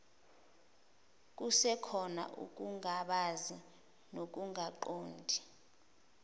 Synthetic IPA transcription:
k̬usɛkʰɔna̰ʔṵk̬ʼuŋaɓazi | nok̬uŋaǃoːndʱi̥

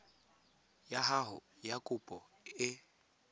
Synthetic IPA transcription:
jaɦaɦʊ̰jakʼʊpʼɔ | ɪ

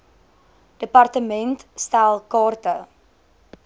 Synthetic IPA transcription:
d̥əpɐrtəmɛntstælˠkɑːrtə

